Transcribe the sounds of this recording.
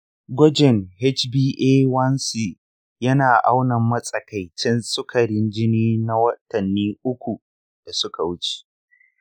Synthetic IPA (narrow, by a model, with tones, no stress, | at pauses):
ɡʷɔ˦d͡ʒɛ˨ŋhɛ˦t͡ʃbiː˦ʔe˦wɐ˦nsi˨ | jɐ˦naː˨ʔa˦wnɐ˨mːɐ˦sʼɐ˨ka˨jt͡ʃɛ˦nsʊ˦kʰɐ˨ɽɪ˦nd͡ʒɪ˦niː˦na˦wɐ˦tɐ˨nːiː˦ʔʊ˦kʷu˨ | d̥a˨sʊ˦ka˨wʊ˦t͡ʃe̥˨